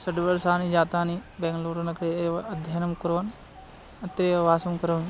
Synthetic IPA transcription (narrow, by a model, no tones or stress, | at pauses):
sɐɖbɐɾsaːnid͡ʒaːt̪aːnibeŋɡloːɾɐnɐkɾeeʋɐɐd̪ʱjanɐmkuɾʋɐn | ɐt̪ːɾeɐʋaːsɐmkɐɾʋni